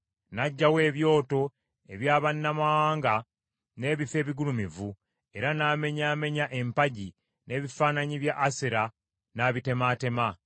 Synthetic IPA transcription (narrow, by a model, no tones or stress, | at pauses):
naɟːawe̞ːβjo̞ːto̞ | e̞βjaːβanːamawaːŋɡa | ne̞ːβife̞ːβiɡulumivu | e̞ɾanaːme̞ɲaːme̞ɲaʔe̞mpaɟi | nʔe̞ːβifaːnaɲiβjaʔːseɾa | naːβite̞maːte̞ma